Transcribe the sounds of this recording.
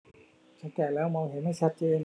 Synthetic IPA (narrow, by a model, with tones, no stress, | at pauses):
t͡ɕʰa˦˥nkɛː˨˩lɛː˦˥wmɔː˧ŋhe˨˩˦nha˥˩jt͡ɕʰa˦˥t̪̚t͡ɕeː˧n